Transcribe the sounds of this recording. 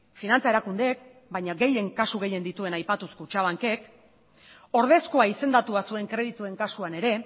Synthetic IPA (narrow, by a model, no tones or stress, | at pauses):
finant͡sae̞ɾakund̪ek | bajɲaɡe̞je̞ŋkasuɣe̞je̞nd̪it̪ue̞najpat̪uskot͡ʃaβaŋke̞k | o̞ɾð̞e̞skoaise̞nd̪at̪uasue̞ŋkɾe̞ðit̪ue̞ŋkasuane̞ɾe̞